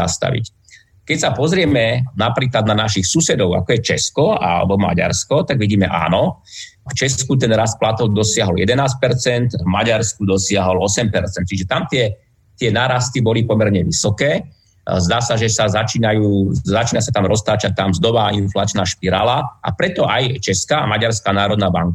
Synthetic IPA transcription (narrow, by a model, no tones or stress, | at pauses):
a̰st̪a̰ʋḭc | kɛcsapɔzɾɪɛmɛnapɾiːklad̪nanaʃixsusɛd̪ɔʊa̰kɔjɛt͡ʃɛskɔa̰lɛ̰bɔma̰ɟa̰ɾskɔt̪aɡʋiɟiːmɛʔa̰ːnɔ | ft͡ʃɛskut̪̬ɛnɾast̪̚plat̪ɔʊd̪ɔsɪaɦɔljɛd̪ɛnaːsc̚pɛɾt͡sɛnt̪vmaɟaɾskud̪ɔsɪaɦɔlɔsɛmpɛɾt͡sɛnt̪t͡ʃiʒɛt̪amt̪ɪɛ | t̪ɪɛnaːɾast̪ibɔlipɔmɛɾɲɛʋisɔkɛː | zd̪aːsaʒɛsazat͡ʃiːnajuːzat͡ʃiːnasat̪amɾɔst̪aːt͡ʃac̚t̪ːamzd̪ɔʋaːinflat͡ʃnaːʃpiɾa̰ːlaʔa̰pɾɛt̪ɔʔajt͡ʃɛskaːamaɟaɾskaːnaːɾɔd̪naːba̰ŋk